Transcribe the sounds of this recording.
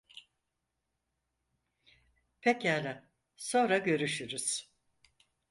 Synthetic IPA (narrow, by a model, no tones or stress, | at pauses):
pʰecalɛ | so̞nɾaɟø̞ɾyʃyɾyz̥